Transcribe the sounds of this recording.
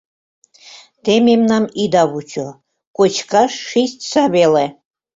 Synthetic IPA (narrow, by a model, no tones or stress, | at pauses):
t̪ememnamid̪aβut͡ʃʰo | kʼot͡ʃkʰaʃːisʲt̪saβele